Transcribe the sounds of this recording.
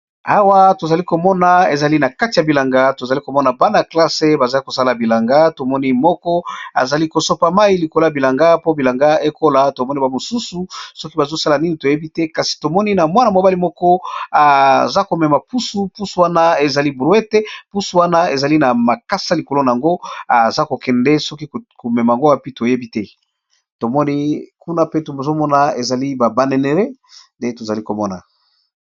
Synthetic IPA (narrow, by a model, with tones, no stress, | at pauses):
a̰˦˨wa˦to˨za˨li˦ko˨mɔ˦na˨e˨za˨li˦na˨ka˦ti˨ja˨bi˨la˨ŋɡa˦to˨za˨li˦ko˨mɔ˦na˨ba˦na˨kla˦se˦ba˨za˨li˦ko˨sa˦la˨bi˨la˨ŋɡa˦to˨mɔ˦ni˦mɔ˦kɔ˦a̰˨za˨li˦ko˨so˦pa˨ma˦i˦li˨ko˨lo˦˨bi˨la˨ŋɡa˦po˦bi˨la˨ŋɡa˦e˦ko˦la˦to˨mɔ˦ni˦ba˨mo˨su˦su˨sɔ˦ki˦ba˨zo˦sa˦la˨ni˦ni˨to˨je˦bi˦tɛ˦ka˨si̥˨to˨mɔ˦ni˦na˨mwa˦na˨mo˨ba˦li˦mɔ˦kɔ˦a˨za˦ko˨mɛ˨ma˨pu˦su˨˦pu˦su˨wa˦na˦e˨za˨li˦bu˦e˦tɛ˦pu˦su˨wa˦na˦e˨za˨li˦na˨ma˨ka˦sa˦li˨ko˨lo˦na˨a˨ŋɡo˦a˨za˦ko˨kɛ˨ndɛ˦sɔ˦ki˦ko˨mɛ˨ma˨ŋɡo˦wa˦pi˦to˨je˦bi˦tɛ˦ | to˨mɔ˦ni˦ku˦na˦pe˦to˨zo˦mɔ˦na˨e˨za˨li˦ba˨ba˦ne˨ne˨ʁe˦ | nde˦to˨za˨li˦ko˨mɔ˦na̰˨